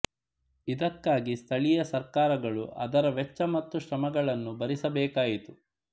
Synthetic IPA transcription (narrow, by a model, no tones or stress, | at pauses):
id̪ɐkːaːɡist̪ʰɐɭijɐsɐɾkaːɾɐɡɐɭṵʔɐ̰d̪ɐɾɐʋɛt͡ʃːɐmɐt̪ːuʃɾɐmɐɡɐɭɐnːubɐɾisɐbɛːkaːjit̪u